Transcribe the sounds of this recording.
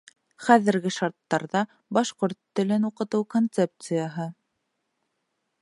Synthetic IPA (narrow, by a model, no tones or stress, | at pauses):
χæðɘ̆ɾɡɘʃɑɾt̪ːɑɾðɑ | bɑʃqoɾt̪ːɵ̆lɘnuqɤ̆t̪ɤwkont̪sep̚t̪sɨjəɦɤ